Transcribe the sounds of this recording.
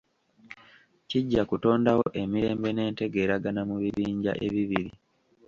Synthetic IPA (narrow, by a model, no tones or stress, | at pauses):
ciɟːakuto̞ːndawoʔe̞miɾe̞ːmbe̞ne̞ːnte̞ɡe̞ːɾaɡanamuβiβiːɲɟa̰ʔeβiβiɾi